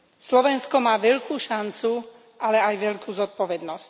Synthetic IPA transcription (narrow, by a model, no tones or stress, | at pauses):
slɔʋɛnskɔmaːʋɛʎkʰuːʃant͡su | ʔalɛajʋɛʎkʰuːzɔt̪̚pɔʋɛd̪nɔsc